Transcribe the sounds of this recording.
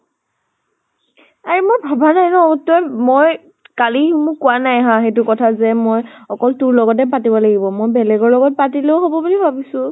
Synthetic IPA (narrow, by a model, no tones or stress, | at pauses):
aɹimojbʱabʱanajnɔtɔjmoj | kaliumukʊwanajɦãxetʊkɔtʰazɛmojɔkɔltuɹlɔɡɔt̬ɛp̬atibɔlaɡibɔmojbɛlɛɡɔɹlɔɡɔt̚patileʊɦobɔbulibʱabisʊ̃